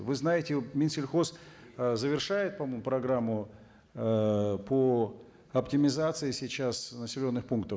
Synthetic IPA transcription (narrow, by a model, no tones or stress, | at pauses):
vɨznajɪtʲɪmʲɪnsʲɪlʲxo̞szəvʲɪrʂajɪt̪̚pɐmojmʊpɾɐɡɾamːʊ | pʰə | ɐptʲɪmʲɪzat̪sɨɪsʲɪt͡ɕasnəsʲɪlʲo̞nːɨxpunk̚t̪ə